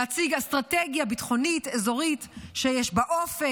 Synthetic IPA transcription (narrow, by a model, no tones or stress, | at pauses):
at͡siɡast̪ʁateɡjabitχo̞nitezo̞ʁitʃejɛʃbaʔofe